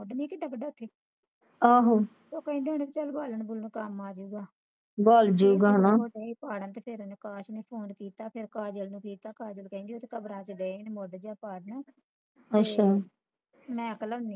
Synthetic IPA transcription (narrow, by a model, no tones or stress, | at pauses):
moːɖniːkiɖəkɖaːʊt̪ʰːeː | aːɦoː | soːkəĩnd̪eːoːneːbit͡ʃəlbaːləɳbʊlnkəmːãːd͡ʒuːɡaː | boːld͡ʒuːɡaːnãːoːɖeːpaːɽənt̪eːpʰɪɾnkaːʃneːpʰoːnkiːt̪aːpʰɪɾkaːd͡ʒəlnũːkiːt̪aːkaːd͡ʒəlkɛ̃ĩnd̪eoːt̪ʰeːkəbɾãːt͡ʃəɖeːnmoːɖd͡ʒaːpaːɽna | ətːʃʰaː | mɛ̃ːəkləbniː